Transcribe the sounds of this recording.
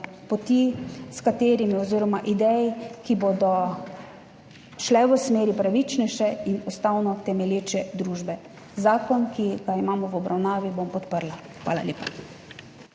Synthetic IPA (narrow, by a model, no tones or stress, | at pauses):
pɔt̪iskat̪eːɾimiɔziːɾɔmaʔid̪ɛjkiboːd̪ɔ | ʃlɛʋəsmeːɾipɾaʋit͡ʃnɛjʃɛinɔst̪awnɔt̪ɛmɛljeːt͡ʃɛd̪ɾuːʒbɛ | zaːkɔnkiɡaimaːmɔʋɔbɾʔawnaːʋibompɔt̪pəɾla | xʋa̰ːla̰lʲeːpa